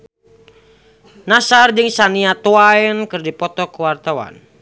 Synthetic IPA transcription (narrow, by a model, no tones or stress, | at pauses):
nasard͡ʒɨŋsaniat̪uaɛnkɨrdipɔt̪ɔkuwart̪awa̰n